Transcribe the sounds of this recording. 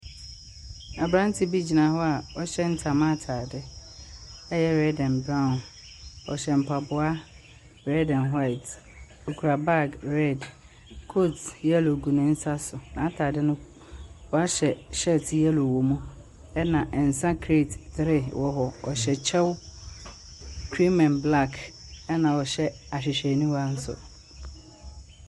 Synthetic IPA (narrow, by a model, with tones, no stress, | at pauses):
a˨bɾã˦n˦tʰɪ˨bi˦d͡ʑi˨nã˨˦ɦɔ˦a˨ɔ˦ɕɛ˦n̩˦tʰa˨mã˦tʰaː˨dɪ˦ | ɛ˦jɛ˦ɾɛ˦dɛ̃˨nbɾã˦˨n | ɔ̰˨ɕɛ˨m̩˨pʰa˨bʊ˨˦a˦ | ɾɛ˦dɛ̃˨nɦwa˦ɪ˨t | o˨kʰu˨ɾa˨ba˦ɡɾɛ˦˨d | kʰo˦tɛ˦lo˨ɡu˨nɪ̃˦n̩˦sa˦sʊ˨nã˨˦tʰaː˨dɪ˦nʊ̃˦ | wɔ˨a˦ɕɛ˨ɕɛ˦tjɛ˦lo˨wo˨mũ˦ | ɛ˦nã˨ʔn̩˨sã˦kʰɾe˦˨ttɪ˨ɾɪ˦wʔɔ˨ɦɔ˨ɔ˨ɕɛ˨t͡ɕʰɛ˦w | kʰɾi˦mɛ̃˨nbla˦k | ɛ˦nã˨wɔ˨ɕɛ˦ | a˨ɕ̬ᶣɪ˨ɕᶣɛ˨nũ˦wa˦n̩˦sʊ̰˨